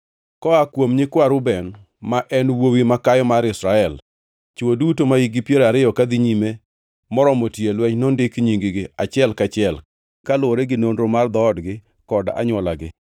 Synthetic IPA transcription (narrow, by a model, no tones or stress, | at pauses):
kɔakwomɲɪkwaɾʊbɛn | maʔɛnwowimakajɔmaɾɪsɾaɛl | t͡ʃodutomaiɡɪpjeɾaɾɪjɔkad̪iɲime | mɔɾɔmotjelwɛɲnɔndɪkɲiŋɡɪɡɪat͡ʃɪɛlkat͡ʃɪɛl | kalwoɾeɡɪnondɾomard̪ɔːdɡɪ | kɔda̰ɲwɔlaɡɪ